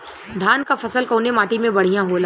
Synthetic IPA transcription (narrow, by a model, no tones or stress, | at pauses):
d̪ʱaːnkafɐsəlkoːnemaːʈimẽbɐɽ̤ijãɦoːlaː